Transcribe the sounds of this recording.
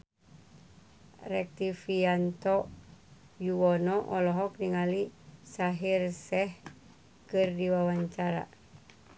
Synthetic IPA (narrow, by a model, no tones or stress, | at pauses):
rɛk̚t̪ifiant̪ɔ | juwɔnɔʔɔlɔɦɔk̚niŋalisaɦirsɛh | kɨrdiwawaɲt͡ʃaɾa̰